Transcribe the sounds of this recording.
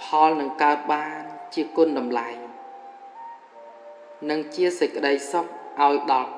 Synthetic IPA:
pʰɑlnɨŋkaət̪̚ɓaːnt͡ɕiəkʊ̆ənɗɑmlaj | nɨŋt͡ɕiəsəc̚kə̆ɗəjsok̚ʔaɔjɗɑlk

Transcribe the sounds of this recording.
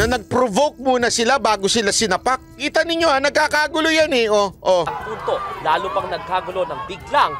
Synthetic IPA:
ɐnɐɡ̚pɾovok̚muːnɐsɪlabaːɡosɪlasɪnɐpak̚kiːt̪ɐnɪɲjoɐnɐɡ̚kaːkaːɡʊlojanɛʔoʔop̪uːt̪oʔlaːlupɐŋnɐɡ̚kaːɡʊlo̞nɐŋbɪɡ̚laŋ

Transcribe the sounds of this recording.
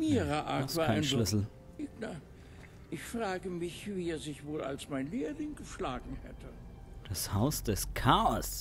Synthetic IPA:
miːʁəʔa̰̥aːaɪnʃlʏsl̩ | ɪna | ʔɪçfʁ̥aːɡəmɪçviːɛɐzɪçvoːla̰lsmaɪnleːlɪŋɡəʃlaːɡŋ̩hɛ̰tʰə | d̥ashaʊsd̥ɛskʰaɔs

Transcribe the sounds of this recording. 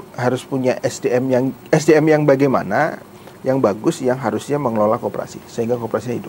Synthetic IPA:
ɦaɾʊspuɲaʔɛsdeɛmjaŋɛsdeɛmjaŋbaɡajma̰na | jaŋbaɡʊsjaŋɦaɾʊsɲaməŋəlolakopəɾa̰sḭsəɦiŋɡakopəɾasiɲaɦidʊ

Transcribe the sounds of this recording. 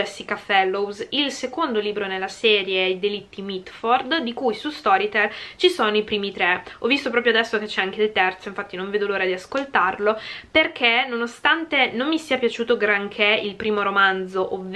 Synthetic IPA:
ɛsikafɛlːowzilsekond̪oliːbɾonelːasɛːɾjeid̪elit̪ːimit̪ford̪d̪ikujsust̪ɔɾit̪elt͡ʃisoːnoipɾiːmit̪ɾɛɔvːist̪op̬ɾɔːpɾjoad̪ɛsːoket͡ʃːɛaŋk̟eilt̪ɛrt̪soiɱfat̪ːinõɱveːd̪oloːɾad̪iaskolt̪arloperkʰenonost̪ant̪enomːisiapjat͡ʃuːt̪oɡɾaŋkʰeilpɾiːmoɾomand̪zoʔovː

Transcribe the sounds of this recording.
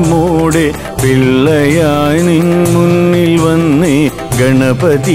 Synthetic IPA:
moːɽe | piɭːɐjaːjnimunːilʋɐnːɨ | ɡɐɳɐpɐði

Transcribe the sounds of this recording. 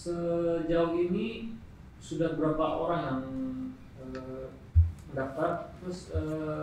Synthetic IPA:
səd͡ʒauɦini | sudahbəɾapaʔoɾaŋjaŋ | əː | məndaft̪art̪ɾʊsəː

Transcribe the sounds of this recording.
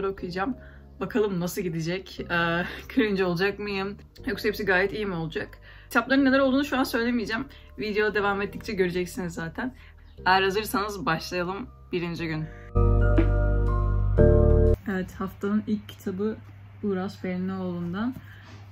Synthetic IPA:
ɾo̞kʰujad͡ʒam | bakʰalˠɯmnasɯɟid̪id͡ʒɛcɛːcʰyɾynd͡ʒɛo̞lˠud͡ʒakmɯjɯm | joksɛpsiɡaːjɛt̪ijimio̞lˠud͡ʒakʰ | it̪ʰaplˠaɾɯnːelæɾolˠd̪uːnuʃuansø̞jlʲe̞mijid͡ʒæm | vid̪ejo̞d̪ˠad̪e̞vamet̪ʰːic̚t͡ʃʰɛɟø̞ɾyd͡ʒɛcsinizːaːt̪ʰæn | æɾhazɯɾsanɯzbaʃlˠajalˠɯm | biɾind͡ʒiɟyn | evɛt̪haft̪ʰanɯnilʲcʰːi̥t̪ʰabɯ | uːɾasfeɾinɛolˠund̪an

